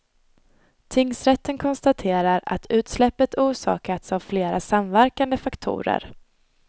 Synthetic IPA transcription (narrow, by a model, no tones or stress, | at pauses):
t̪ʰɪŋːsɾɛt̪ːənkʰɔnst̪at̪ʰeːɾaɾa̰t̪ʰʉ̟ːt̪slɛpːət̪ʰuːʂɑ̰ːkat̪savfleːɾasamvæɾkand̪əfakt̪ʰṵːɾə̰ɾ